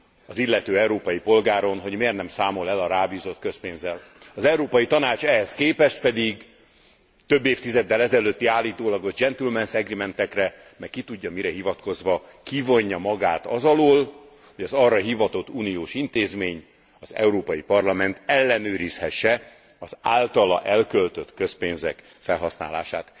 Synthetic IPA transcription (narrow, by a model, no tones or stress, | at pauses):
ɒzilːɛt̪øːɛuɾoːpɒjipo̞lɡaːɾo̞nɦo̞ɟmeːrnɛmsaːmo̞lɛlɒɾaːbiːzo̞t̪køspeːnzɛlɒzɛuɾoːpɒjit̪ɒnaːt͡ʃɛɦɛskeːpɛʃt̪pɛd̪iɡ | t̪ø̞bːeːft̪izɛd̪ːɛlɛzɛløːt̪ːiaːlːiːt̪oːlɒɡo̞ʒd͡ʒɛnt̪ilmɛnsɛɡrimɛnt̪ɛkrɛ | mɛkkːit̪uɟːɒmiɾɛɦivɒt̪ko̞zʋɒkivo̞ɲːɒmɒɡaːt̪ɒzɒloːl | ho̞ɟɒzɒrːɒɦivɒt̪o̞t̪ːuːnijoːʃint̪eːzmeːɲ | ɒzɛ̰uɾoːpɒjipɒrlɒmɛnt̪ɛlːɛnøːɾishɛʃːɛ | ɒzaːlt̪ɒlɒ̰ʔɛlkølt̪øt̪kø̞speːnzɛk | fɛlɦɒsna̰ːla̰ːʃa̰ːt̪